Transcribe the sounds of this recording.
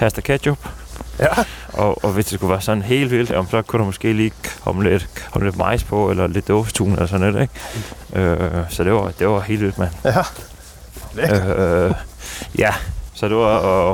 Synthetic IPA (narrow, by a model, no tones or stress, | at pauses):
hæsd̥ɐkʰædjob̥ | ʔɒɒʋe̝sd̥e̝skuʋæːɐsɒ̽n̩ɦe̝̰ːld̥ʋil̰d̥j̰m̩sɒ̽kʰuɾ̥umɒ̽sɡ̥e̝̰ːliːhɒ̽mled̥hɒ̽məle̝d̥mɑ̈ɪ̰spʰɒ̽elɐle̝d̥ːɔft͡sʰṵːnelɐsɒ̽nled̥eɡ̥ʔøsɒ̽d̥e̝ʋɑd̥e̝ʋɑɦe̝ːldʋil̥mæn | ø | jæsɒ̽d̥e̝ʋɑ